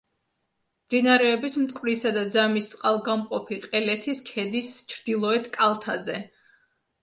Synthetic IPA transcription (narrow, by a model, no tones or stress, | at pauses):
md̪̥inaɾɛːbismt̪ʼkʼvɾisad̪ad̪zamisʼqʼalˠɡamqʼɔpʰiqʼɛlɛt̪ʰiskʰɛd̪ist͡ʃʰɾd̪̥ilˠɔɛt̪ʰkʼalˠt̪ʰazɛ